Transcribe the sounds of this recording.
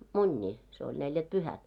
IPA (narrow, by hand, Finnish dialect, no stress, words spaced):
munʲːiː se olʲ neljætpyhæt